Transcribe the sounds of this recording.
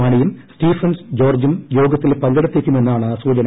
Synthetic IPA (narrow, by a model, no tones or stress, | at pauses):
aːɳijumstiːfɐnsd͡ʑo̞ːrd͡ʑumjo̞ːɡɐt̪ːilpɐŋɡɐɽɐt̪ːeːkʲːumenːaːɳɨsuːd͡ʑɐn